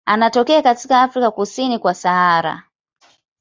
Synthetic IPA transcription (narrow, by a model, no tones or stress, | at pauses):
anatɔkɛakatikaːfɾikakusinikwasaaɾa̰